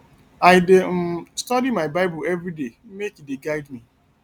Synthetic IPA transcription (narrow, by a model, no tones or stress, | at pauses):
aɪdestɔdimaɪbaɪbuɛvɾidem̩mekideɡaɪdmi